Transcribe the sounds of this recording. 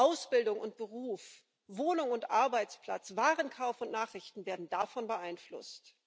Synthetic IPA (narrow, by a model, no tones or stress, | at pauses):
ʔaʊsb̥ɪldʊŋʊnt̚b̥əʁuːf | voːnʊŋʊntʔaɐbaɪt͡spl̥a̰t͡sv̥aːʁənkʰaʊfʊntnaːχʁɪçtn̩veːɐdn̩dafɔnbəʔaɪnflʊ̰st